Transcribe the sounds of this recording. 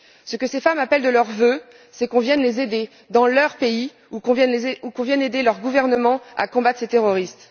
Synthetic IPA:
səkəsefamapɛld̪əlœʁvø | sɛkɔ̃vjɛnlezed̪e | d̪ɑ̃lœʁpei | ukɔ̃ɛukɔ̃vjɛned̪elœʁɡuvɛʁnəmɑ̃a̰kɔ̃bat̪χet̪eʁɔʁist̪

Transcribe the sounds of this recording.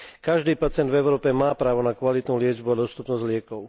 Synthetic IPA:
kaʒd̪iːpat͡sɪɛnd̪vɛʊɾɔːpɛmaːpɾaːʋɔnakʋalit̪nulɪɛd͡ʒbuad̪ɔst̪upnɔzɟlɪɛkɔʊ

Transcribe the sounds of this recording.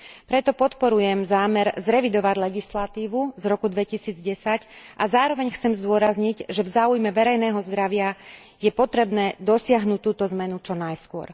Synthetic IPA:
pɾɛt̪ɔpɔt̪pɔɾujɛmzaːmɛɾzɾɛʋid̪ɔʋaɟlɛɡislat̪iːʋuzɾɔkud̪ʋɛcisiːd͡zɟɛsacʔazaːɾɔʋɛɲxt͡sɛmzd̪ʊɔɾazɲiɟʒɛvzaːujmɛʋɛɾɛjnɛːɦɔzd̪ɾaʋɪa | jɛpɔt̪ɾɛbnɛːd̪ɔsɪaɦnuːc̚t̪ːuːt̪ɔzmɛnut͡ʃɔnajskʊɔ̰ɾ

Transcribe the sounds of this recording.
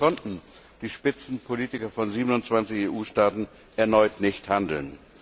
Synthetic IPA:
kʰɔntn̩ | d̥iːʃpɪt͡sn̩pʰoliːtɪkɐfɔnziːbənʊntt͡sv̥ant͡sɪçeːʔuːʃtaːtn̩ | ʔɛɐnɔʏtnɪçthandl̩n

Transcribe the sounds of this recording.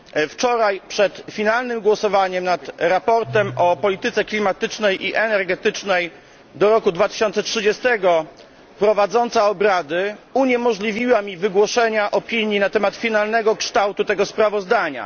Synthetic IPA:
ft͡ʂɔɾajpʂɛt̪fʲinalnɘmɡwɔsɔvaɲɛmnat̪ɾapɔɾt̪ɛmɔpɔlʲit̪ɘt̪sɛklʲimat̪ɘt͡ʂnɛjʔiʔɛnɛɾɡɛt̪ɘt͡ʂnɛj | d̪ɔɾɔkud̪vat̪ɘ̥ɕɔnt̪sɛtʂɘd͡ʑɛst̪ɛɡɔ | pɾɔvad̪zɔnt̪saɔbɾad̪ɘuɲɛmɔʐlʲivʲiwamʲivɘɡwɔʂɛɲaʔɔpʲiɲinat̪ɛmat̪fʲinalnɛɡɔkʂt̪awt̪ut̪ɛɡɔspɾavɔzd̪aɲa̰

